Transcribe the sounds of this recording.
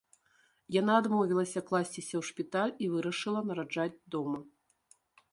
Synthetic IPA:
janaːd̪mɔvʲilˠɐsʲɐklˠasʲt͡sʲisʲɐwʂpʲit̪alʲivɨɾɐʂɨlˠɐnɐɾad͡ʐad͡zʲd̪ɔmɐ

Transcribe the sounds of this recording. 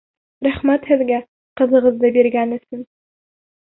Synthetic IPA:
ɾæχmæt̪hɘ̆ðɡæ | qɤ̆ðɤ̆ʁɤ̆zd̪ɤbiɾɡænɵ̆sɘn

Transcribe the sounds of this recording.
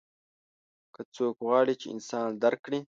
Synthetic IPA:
kat͡soːkɣwɑːɽit͡ʃeɪ̰nsɑːnd̪aɾkɽi

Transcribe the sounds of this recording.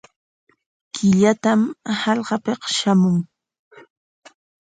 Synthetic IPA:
kɪʎat̪amhɑʎɢɑpeqʃamʊŋ

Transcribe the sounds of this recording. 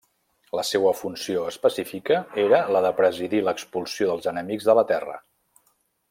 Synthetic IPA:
ləsewəfunsioəspəsifikəeɾələðəpɾəziðiləkspulˠsioðəlˠzənəmiɡzðələt̪ɛrə̰

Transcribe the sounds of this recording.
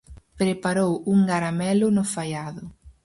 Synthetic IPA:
pɾepaɾowuŋɡaɾamɛlʊnʊfajaðʊ

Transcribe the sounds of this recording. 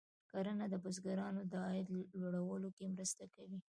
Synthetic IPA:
kaɾənad̪əbʊzɡaɾɑnod̪ɑɪd̪loɽawəlokemɾəst̪akawi

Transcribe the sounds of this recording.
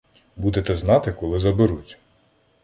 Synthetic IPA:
bud̪et̪ɛznɑt̪ɪkɔlˠɪzɐbɪɾutʲ

